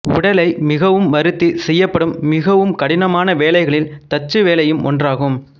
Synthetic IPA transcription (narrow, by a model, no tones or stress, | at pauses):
ʊ̰ɽɐlɐɪmɪɣɐʋɯmːɐɾɯt̪ːisɛjːɐpːɐɽɯmːɪɣɐʋɯmkɐɽɪnɐmaːnɐʋeːlɐɪɣɐɭɪlt̪ɐt͡ʃːɯʋeːlɐjɯmɔ̰ndraːɣɯm